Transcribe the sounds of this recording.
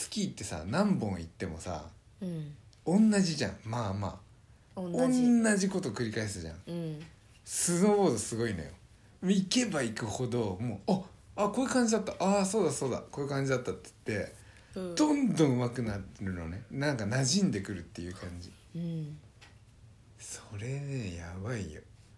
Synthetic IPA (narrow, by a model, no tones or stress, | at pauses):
t͡sɨ̥kʲiːt̪ːe̞sa̰nãmbõ̞ɰ̃ḭt̪ːe̞mo̞̰sa̰ | õ̞nːaʑiʑã̰ŋmama̰ː | õnːaʑiko̞t̪o̞kɯ̟ɾʲikaesɨʑã̰ŋ | sɨno̞ːβoːd̪osɨɡo̞ino̞̰jo̰ | mike̞baikɯ̟ho̞d̪o̞mo̞ːa | ako̞i̟kãɲ̟d͡ʑid̪at̪ːaʔaso̞ːd̪aso̞ːd̪a̰ko̞ɯ̟kãɲ̟d͡ʑid̪at̪ːat̪ːe̥t̪ːe̞ | d̪̥õ̞nd̪õ̞ɰ̃ɯ̟makɯ̟naɾɯ̟no̞̰ne̞nãŋkanaʑĩnd̪e̞kɯ̟ɾɯ̟t̪ːe̞jɯ̟kãɲ̟d͡ʑi | soɾe̞nejabaijo̰